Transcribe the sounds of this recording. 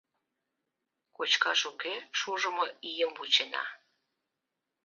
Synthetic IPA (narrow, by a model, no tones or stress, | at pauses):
kot͡ɕkɑʃukeʃuʒəməijəmbut͡ɕenɑ̰